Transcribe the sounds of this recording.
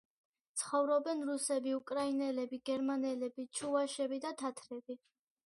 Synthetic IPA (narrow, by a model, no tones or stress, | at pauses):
t̪sʰχɔvɾɔbɛnɾusɛbiukʼɾainɛlɛbiɡɛɾmanɛlɛbit͡ʃʰuaʃɛbid̪at̪ʰat̪ʰɾɛbi